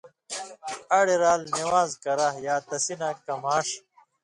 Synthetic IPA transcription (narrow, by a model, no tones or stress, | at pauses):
ɐɽeɾaːlniwaːzkɐɾaɦjaːt̪ɐsinakɐmaːʂ